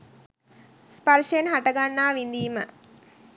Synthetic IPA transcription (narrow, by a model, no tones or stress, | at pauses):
spɐrʃenɦaʈəɡanːaːʋind̪iːmə